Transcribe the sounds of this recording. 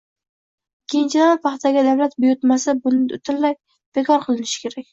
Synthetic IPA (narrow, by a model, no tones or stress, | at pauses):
kʲʰejɪnt͡ʃʰɪd̪anpʰɑχt̪aɡʲad̪awlat̪bʊjʊɾt̪masabʊnɪʊ̰t̪ʰɪlːaj̚ | b̥ekʰɒɾqʰɨlˠɪnɪʃɪ̥kʲʰe̞ɾakʲ